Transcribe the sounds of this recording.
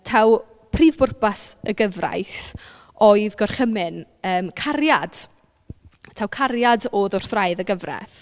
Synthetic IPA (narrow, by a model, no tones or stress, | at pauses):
tʰaw | pʰriːvbʊrpasəɡəvra̰jθ | oɨðɡɔrχəmɪn | əːmkʰarjad̥ | tʰawkʰaɾjadoðʊr̥θraɨðəɡəvrɛ̰θ